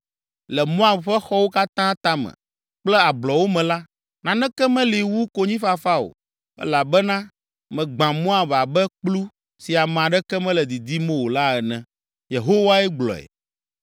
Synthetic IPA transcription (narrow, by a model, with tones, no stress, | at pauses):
lɛ˨mɔ̃˦a˨ɸɛ˦xɔ˦wo˦ka˦t̪ã˦t̪ã˦mɛ̰̃˨ | k͡plɛ˦a˨blɔ˨wo˦mɛ̃˨la˦ | nã˨nɛ̃˦kɛ˦mɛ̃˦li˨wu˦ko˦ɲĩ˦fa˦fa˦o̰˨ | ɛ̰˦la˨bɛ˦nã˦ | mɛ̃˨ɡ͡bã˨mõ˦a˨va˨bɛ˦k͡plu˦ | si˨a˨m̃˨ã˨ɖɛ˦kɛ˦mɛ̃˦lɛ˨d̪i˨d̪i˦mɛ̃˦wo˨la˦ɛ˨nɛ̃˨ | je˨ɦo˦wa˦ɛ˦ɡ͡blɔ̰˨ɛ̰˨